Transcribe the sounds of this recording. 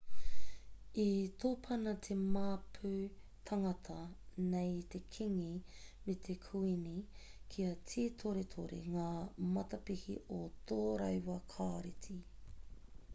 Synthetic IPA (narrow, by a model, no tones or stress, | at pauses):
itʰoːpʰɐnɐt̪ʰemaːpʰʉ | tʰɐŋɐtʰɐnejte̞kʰiŋimet̪ʰekʰuinikʰiɐt͡sʰiːtʰoɾet̪ʰoɾḛŋaːmɐtɐpihḭotʰoːɾɐjwɐkʰaːɾiti